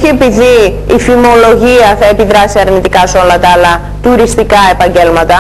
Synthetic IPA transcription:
oçie̞piðiː | fimo̞lo̞ʝiɐθɐe̞piðɾɐsiɐɾnit̪ikɐsolɐt̪ɐɐlɐ | t̪uɾist̪ikɐe̞pɐɲɟe̞lmɐt̪ɐ

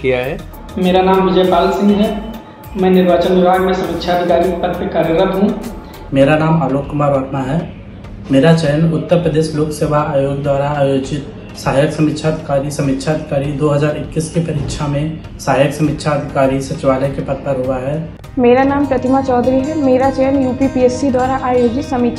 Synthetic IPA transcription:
kjaɦɛ | meːɾanaːmʋɪd͡ʒɛːpaːlsɪ̃ŋɡɦɛː | mɛ̃ːnɪɾʋaːt͡ʃənʋɪbʱaːɡmẽsɐmɪtʃʰaəd̪ʱɪkaːɾikepɐt̪pekaːɾəɾət̪ɦũː | meːɾanaːmaːloːkːʊmaːɾʋaːt̪maɦɛː | meːɾat͡ʃɛɦənʊt̪ːəɾpɾəd̪eːʃloːkseːʋaaːjoːɡd̪waːɾaaːjoːd͡ʒɪt̪ | saɦaːjəksɐmɪkːʃʰaːd̪ʱɪkaːɾisɐmɪtːʃʰaəd̪ʱɪkaːɾid̪oːɦɐzaːɾɪkːiskipɐɾɪkʃʰamẽ | saɦajəksɐmɪtːʃʰaəd̪ʱɪkaːɾisɐtːʃɪʋaːləkepɐt̪̚pɐɾɦʊaɦɛː | meːɾanaːmpɾɐt̪ɪmat͡ʃɔːd̪ɾiɦɛmeːɾat͡ʃɛjənjuːpipieːsid̪waːɾaʔaːjoːd͡ʒɪt̪sɐmɪt̪ːʃʰ

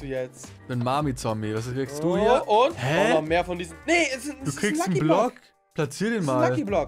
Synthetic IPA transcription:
ujɛt͡s | mɪtmaːmit͡sːɔmiːvasiksd̥uːiːɐʔʊnthɛnɔmeːɐfɔndiːzm̩neɛsɪduːkʁ̥iːksn̩blɔk | plat͡siːɐdeːnmaːlliblɔk

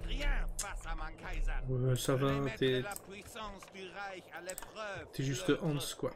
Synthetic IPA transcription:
savãt̪ɛ | t̪ɛʒyst̪əʔɔ̃skwa

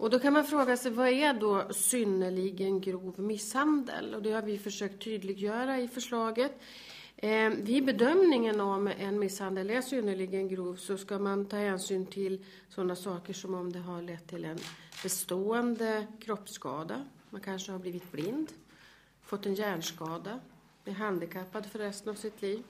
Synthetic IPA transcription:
ʔɔd̪ɔkʰanmanfɾoːɡasɛjvɑæɖɔsʏnːəɭɪɡənɡɾuːvmɪshand̪ə̰lɔd̪ɛhaɾvɪfœʂøːk̚t̪ʰːyːd̪lɪɡjœːɾaɪfœʂɭɑːɡət̪ | vɪbɛd̪œmnɪŋənɔmɛnmɪshand̪əlæʂʏnːəɭɪɡənɡɾuːvsɔskamant̪ʰɑːhɛːnsyːnt̪ʰɪl | sɔnːasɑːkəʂɔmɔmd̪ɛɦaɭɛt̪ʰːɪlɛnb̥ɛst̪oːɛnd̪əkʰɾɔpːskɑ̰ːd̪a | mankʰanʂəhaɾbliːvɪt̪̚blɪnd̪ | fɔt̪ːɛnjæːɳʂkɑːd̪a | b̥̪ɪːɾɦand̪ɪkʰapːad̪fœɾːɛst̪ənavsɪt̪ʰliːv

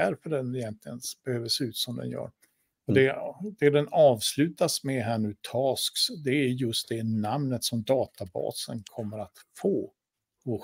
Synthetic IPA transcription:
æɾfœɖɛnɪjɛnt̪lɪɡənb̥ɛhøːvəseːʉ̟ːt̪sɔmd̪ɛ̰njœ̰ːɾ | ɔd̪ɛd̪ɛd̪ɛnɑːvslʉ̟ːt̪asmɛɦæːɳʉ̟ːt̪ʰɑːsksd̪ɛæɾjɵst̪̚d̪ɛnamnət̪sɔmd̪ɑːt̪abɑ̰ːsənkʰɔmːəɾat̪foː | ɔ

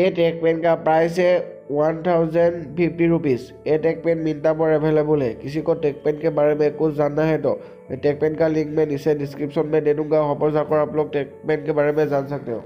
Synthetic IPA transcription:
ɛtɛk̚pɛnkapɹajs̬ɛ | wantʰawzɛnpʰipʰtiɹupis | ɛtɛk̚pɛnmintapɔɹɛbʱɛlɛbɔlɛkisikɔtɛk̚pɛnkɛbaɹɛmɛkʊszanːaɦɛtɔ̰ | tɛk̚pɛnkaliŋkmɛnisɛdiskɹipsɔnmɛdeduŋɡaxɔpɔzakɔɹaplɔk̚tɛk̚pɛnkɛbaɹɛmɛzansak̚tɛ̰ʊ

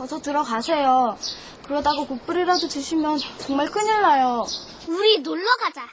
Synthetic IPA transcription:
t͡ɕʌsʰʌtɯɾʌɡasʰe̞jo | kɯɾʌdaɡokop͈ɯɾiɾadot͡ɕɯɕʰimjʌnt͡ɕʌŋmaɭk͈ɯɲiɭːajo | uɾinoɭːʌɡad͡ʑa

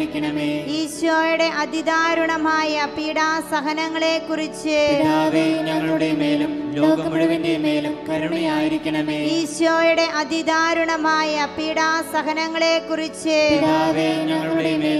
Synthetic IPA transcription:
ɾikʲːɐɳɐmeːiːɕʋoːjuɽe̞ʔɐd̪ʱid̪aːɾuɳɐmaːjɐpiːɽaːsɐɣɐnɐŋːɐɭeːkːurit͡ɕːɨiɾaːðenɐŋːɐɭuɽemeːlumloːkːɐmɐɽʋeːndemeːlumkɐɾɳɐjaːjiɾikʲːɐɳɐmeːiːɕoːjuɽe̞ʔɐd̪ʱid̪aːɾuɳɐmaːjɐiːɽaːsɐɣɐnɐŋːɐɭe̞ːkːurit͡ɕːɨpiɾaːðenɐŋːɐɭuɽemeː

